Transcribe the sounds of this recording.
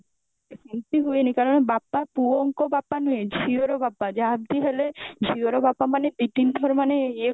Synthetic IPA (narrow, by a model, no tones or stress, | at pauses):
esint̪iɦuenikaɾonebapːapuŋkobapːanojed͡ʑʱioɾobapːad͡ʒaɦab̚d̪iɦeled͡ʑʱioɾobapːamaned̪iʈind̪ʱɔɾmanee